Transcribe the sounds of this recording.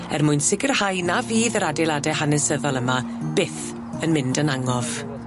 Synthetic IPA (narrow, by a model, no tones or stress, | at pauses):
ɛrmʊɨnsɪɡərhajnaviːðəɾadelˠadɛɦanɛsəðɔlˠəma | b̥ɪθ | ənmɪndənaŋɔv̥